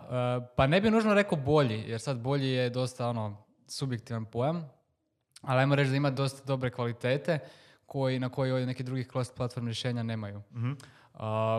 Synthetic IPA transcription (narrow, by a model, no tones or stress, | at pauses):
əpanebinuːʒnoɾe̞kobo̞ʎijeɾsad̪bo̞ʎije̞d̪o̞st̪ao̞no̞ | subjek̚t̪iʋanpo̞jam | aliajmoɾe̞t͡ʃd̪aimad̪o̞st̪ad̪o̞bɾe̞kʋalit̪e̞ːt̪e̞ | kʰo̞jinako̞jio̞ʋjene̞kid̪ɾuɡixklˠost̪plˠat̪fo̞ɾmɾjeʃe̞ːɲane̞ːmaju | ə